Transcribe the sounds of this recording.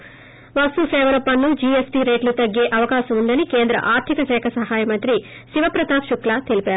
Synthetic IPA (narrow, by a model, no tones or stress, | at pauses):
ʋɐsusɛːʋɐɾɐpːɐnlːud͡ʒiːesʈiːɾeːʈlut̪ɐɡːeːʔɐʋɐkaːʃɐmuɳɖɐnikeːnd̪ɾɐ̰ʔaːɾt̪ʰikɐʃɛːkʰɐsɐɦaːjɐmɐnt̪ɾiʃiʋɐpɾɐt̪aːpʃuklat̪elipaːɾu